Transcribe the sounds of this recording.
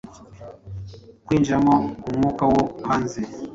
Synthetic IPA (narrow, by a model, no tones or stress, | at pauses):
kwind͡ʒamɔkuŋukawɔkʰanzɛ